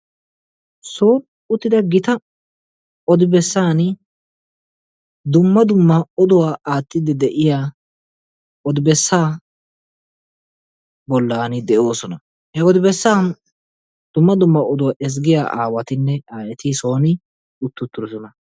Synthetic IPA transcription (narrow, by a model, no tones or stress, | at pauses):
so̞ːn | ʊt̪ːɪd̪ɐɡɪt̪ɐ | ɔd̪ɪbɛsːaːn | d̪ʊmːɐd̪ʊmːɐɔd̪ʊwaːʔaːt̪ʼːɪd̪ɛd̪ɛʔɪjaː | ʔɔd̪ɪbɛsːaː | bɔlːaːnɪd̪ɛʔo̞ːsɔnɐ | hɛɔd̪ɪbɛsːaːn | d̪̥ʊmːɐd̪ʊmːɐɔd̪ʊwaːʔɛs̬ɡɪja̰ːʔa̰ːwɐt̪ɪnːɛaːjɛt̪iso̞ːnɪ | ʊt̪ːʊt̪ːʊɾɛzʊnɐ